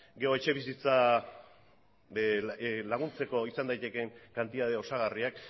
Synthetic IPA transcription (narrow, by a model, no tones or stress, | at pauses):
ɡe̞o̞e̞t͡ʃe̞βisit͡sa | laɣ̞unt͡se̞ko̞isand̪ajt̪e̞ke̞ŋkant̪iðaðe̞o̞saɣ̞ariak